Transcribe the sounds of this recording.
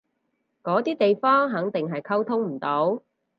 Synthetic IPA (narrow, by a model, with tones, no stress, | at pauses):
kɔː˨˥t̪iː˥t̪e˨jfɔː˥ŋɦɐ˨˥ŋt̪ɪ˨ŋɦɐ˨jkʰɐ˥wt̪ʰʊ˥ŋm̩˨˩t̪o˨˥w